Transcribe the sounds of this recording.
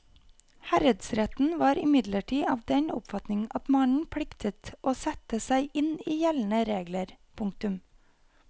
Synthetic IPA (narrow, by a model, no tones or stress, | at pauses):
hæɾəd̪sɾɛt̪n̩ʋɑːɾɪmɪd̪ləʈʰiːɑːʋd̪ɛnʊ̰pfɑt̪nɪŋɑt̪mɑnn̩pʰɽɪkt̪ʰət̪ʔoːsɛt̪əsæɪʔɪniːjɛln̩əɾeːɡləɾpʰʊŋkt̪ʉm